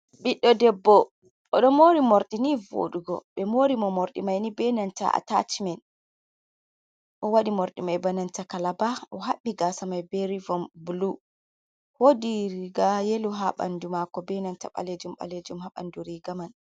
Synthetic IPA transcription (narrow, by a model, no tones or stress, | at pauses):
ɓiɗːɔdɛbːɔ | ʔɔɗɔmoɾimoɾɗinivo̰ɗuɡɔ̰ɓɛmoɾimɔmoɾɗḭmajnibɛnanta̰a̰ta̰timɛn | ʔɔwaɗimoɾɗimajbanantakalabaɔɦaɓːiɡasamajbɛɾivɔmbulu | hodiɾiɡajeluɦaɓa̰ndumakɔbɛnanta̰ɓa̰led͡ʒumɓa̰led͡ʒumhaɓa̰nduɾiɡaman